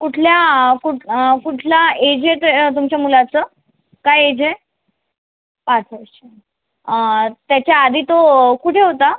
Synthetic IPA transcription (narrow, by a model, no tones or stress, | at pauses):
kuʈʰljakukuʈʰlaed͡ʑeʈ̪t̪̬umt͡ɕjamulat͡sə | kajed͡ʑe | pat͡sʰəɾɕe | t̪jat͡ɕjaːd̪ʱiːt̪okuʈʰeɦot̪a